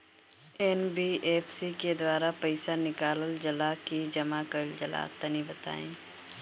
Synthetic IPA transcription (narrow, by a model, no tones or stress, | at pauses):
eːnbiʔeːfsiked̪waːɾapɐɪsanɪkaːləld͡ʒɐlakid͡ʒɐmakəɾld͡ʒɐla̰ːt̪ːɐnĩbɐt̪a̰ːḛ̃ː